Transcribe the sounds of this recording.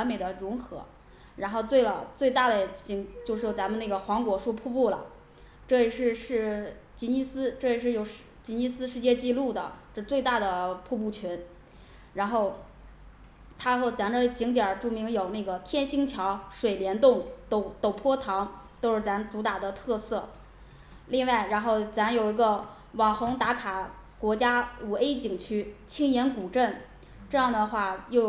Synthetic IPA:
wa˧˥nme˨˩ɪd̪ə˦ɻʊ˧˥ŋxɤ˧˥ | ɻa˧˥nxo˥˧ʊt͡swe˥˩ɪlə˨˩t͡swe˥˧ɪt̪a˥˩d̪ə˩˨˩t͡ɕi˧˩˥ŋt͡ɕjo˥˧ʊʂɻ̩˥˩jt͡sa˧˥mə˧na˥˩ɡə˩xwɑ˧˥ŋkwɔ˧˥ʂu˥˧pʰu˥˧pu˥˩lə̰˩ | ʈ͡ʂɤ˥˩jɛ˧ʂɻ̩˥˧ʂɻ̩˥˩ | t͡ɕi˧˥ni˥sɹ̩˥ʈ͡ʂɤ˥˩jɛ˧˥ʂ̬ɻ̩˥˩jo˨˩ʊʂt͡ɕi˧˥ni˥sɹ̩˥ʂɻ̩˥˧t͡ɕjɛ˥˧t͡ɕi˥˧lu˥˩d̪ə̰˩ʈ͡ʂɤ˥˧t͡swe˥˧ɪt̪a˥˩d̪ə˩pʰu˥˧p̬u˥˩t͡ɕʰɛ˧˥n | ɻa˧˥nxo˥˩ʊ | t̪ʰa˥xo˥˩t͡sa˧˥nʈ͡ʂə˧t͡ɕi˧˥ŋt̪̬jə˞˨˩ʈ͡ʂu˥˩mi˧˥ŋjo˨˩ʊna˥˩ɡə˩t̪ʰjɛ˥˧nɕi˥ŋt͡ɕʰjɑ˧˥ʊʂwe˨˩ɪljɛ˧˥nt̪ʊ˥˩ŋt̪o˧˥ʊt̪o˨˩ʊpʰwɔ˥t̪ʰɑ˧˥ŋt̪o˥ʊʂɻ̩˥˩t͡sa˧˥nʈ͡ʂu˧˥t̪a˨˩d̪ə˦t̪ʰɤ˥˧sɤ˥˩ | li˥˧ŋwa˥˩ɪɻa˧˥nxo˥˩ʊt͡sa˧˥njo˨˩ʊi˧˥ɡə˧ | wɑ˨˩ŋxʊ˧˥ŋt̪a˧˥kʰa˨˩ | kwɔ˧˥t͡ɕja˥u˨˩e˥ɪt͡ɕi˨˩ŋt͡ɕʰy˥t͡ɕʰi˥ŋjɛ˧˥nku˨˩ʈ͡ʂə˥˩n | ʈ͡ʂɤ˥˧jɑ˥˩ŋd̪ə˩xwa˥˩jo˥˧ʊ

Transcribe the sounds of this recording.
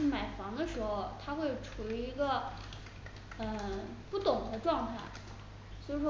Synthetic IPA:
ma˨˩ɪfɑ˧˥ŋd̪ə˧ʂɻ̩˧˥xo˥˧ʊt̪ʰa˥xwe˥˩ɪʈ͡ʂʰu˨˧˩i˥i˧˥ɡə˧ | ə˥˧ | pu˥˩t̪ʊ˨˩ŋxə˧˥ʈ͡ʂwɑ˥˧ŋt̪ʰa˥˩ɪ | so˧˥˧ʂ

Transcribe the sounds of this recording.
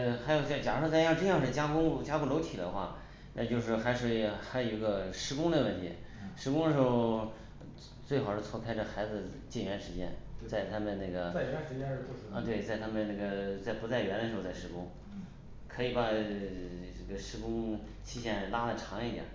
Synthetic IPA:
xa˧˥ɪjo˨˧ʊt͡ɕt͡ɕjɑ˨˩˧wɔ˥t͡sa˥˧ɪjɑ˥˧ʈ͡ʂɤ˥˧jɑ˥˧ŋʂɻ̩˥˩t͡ɕja˥kʊ˥ŋt͡ɕja˥ku˥lo˧˥ʊt̪ʰi˨˩d̪ə̰˧˦xwa̰˥˩ | na̰˥˧t͡ɕjo˥˧ʊʂ̬ɻ̩˥˩xa˧˥ʂ̩˥˩xa˧˥ɪjo˨˩i˧˥ɡə˧ʂɻ̩˧˥kʊ˥ŋd̪ə˨wə˥˩nt̪ʰḭ˧˥ʂɻ̩˧˥k̬ʊ˥ŋd̪ə˨ʂɻ̩˧˥xo˧ʊ | t͡swe˥˩xʊʂɻ̩˥˧˩t͡sʰɔ˥kʰa˥ɪʈ͡ʂə˥˩xa˧˥ɪd͡zɹ̩˧˩ | t͡ɕɛ˥˩nɥɛ˧˥nʂɻ̩˧˥t͡ɕjɛ̰˥nt͡sa˥˩ɪt̪ʰa˥mə˨nna˥˩ɡə˩˥˧t̪we˥˩ɪt͡sa˥˩ɪt̪ʰa˥mə˨nna˥˩ɡə˩t͡sa˥˩ɪpu˧˥t͡sa˥˩ɪɥɛ˧˥nd̪ə˩ʂɻ̩˧˥xo˧t͡sa˥˩ʂɻ̩˧˥˧kʊ˥ŋ | kʰɤ˧˥i˨˩pa˨˩ | ʈ͡ʂə˥˩ɡə˩ʂɻ̩˥kʊ˥ŋ | t͡ɕʰi˥ɕjɛ˥˩nla˥də˥˩ʈ͡ʂʰɑ˧˥ŋi˧˥t̪jɑ̰˨˩˦

